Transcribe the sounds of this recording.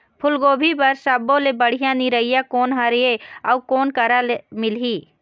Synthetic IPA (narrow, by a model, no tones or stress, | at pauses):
pʰʊlɡoːbʱipɐɾsəbõlebəɽ̤ijãnĩɾəɦijakoːnɦaɾeɔukoːnkəɾalemɪliː